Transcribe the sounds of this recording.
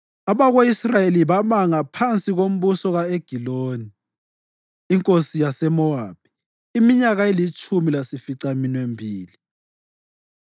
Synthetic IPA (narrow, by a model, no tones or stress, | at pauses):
aβaɣweisrajeliβamaŋapʰant͡sʼiɣom̩βusɔɣaeɡ̥ʱiloːni | ŋkʼosijasɛmɔab̥̚i̥ | imiɲaɣaelit͡ʃʼumilasifiǀaminwembʱiːli